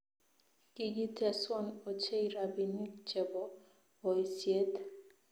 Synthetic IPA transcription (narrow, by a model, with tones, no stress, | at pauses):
ki˦ɡi˦tʰɛ˦swɔ˦no˨t͡ʃe˦i˨ɾa˨bi˨ni˦kt͡ʃe˨bɔ˨ | ɔ˨i˨sje˦t